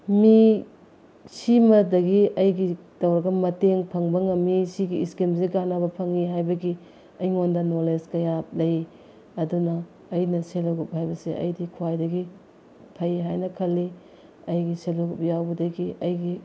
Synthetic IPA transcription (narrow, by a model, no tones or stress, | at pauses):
mi | simɐdɐɡiʔɐjɡi | tɐwɾɐɡɐmɐteŋpʰɐŋbɐŋɐmisiɡiːskimziɡanabɐpʰɐŋiɦajbɐɡi | ɐjŋondɐnoleskɐjap̚lɐj | ɐdunɐː | jnɐselɐɡup̚hajbɐseʔɐ̰jdikʰwajdɐɡi | pʰɐjɦajnɐkʰɐlːi | ɐjɡiselowɡup̚jawbɐdɐɡiʔɐjɡi